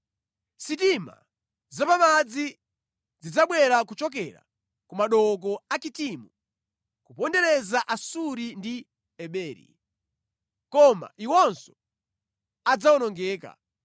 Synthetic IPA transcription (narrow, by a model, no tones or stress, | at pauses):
sitima̰ | zapamad͡zi | zid͡zaɓwɛɾakut͡ʃɔk̬ɛɾa̰ | kumaɗɔk̬ɔat͡ʃitimu | kupɔndɛɾɛzaʔasuɾindi | ɛɓɛːɾḭ | kɔma̰ʔiwɔnsɔ̥ | ad͡zaɔnɔŋɡɛːka̰